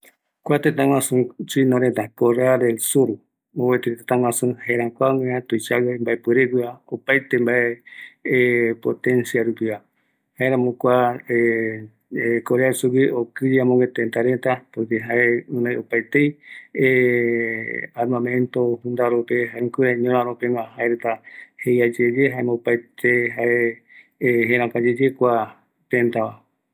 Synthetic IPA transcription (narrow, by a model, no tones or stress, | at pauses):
kʷat̪et̪ãŋw̃ãsũt͡ʃuinõɾet̪akoɾead̪elsuɾu | owet̪et̪et̪ãŋ̃ʷwãsũhaeɾãkʷaŋẽãt̪ojt͡ʃawambaepɨɾekiaopajt̪embae | pot̪ẽnsiaɾupia | haeɾãmõkʷae | koɾeasuwiokɾiiamõŋɡet̪ẽnt̪aɾent̪apokeɦaeũnãjopajt̪eje | aɾmãmẽnt̪ohũnd̪aɾopeɦaeŋkuɾeɲõɾãɾopemãɦaeɾet̪ahejad͡ʒed͡ʒeɦaemopajt̪eɦae | ɦẽɾ̃ãkad͡ʒed͡ʒekʷa | t̪ẽnt̪aa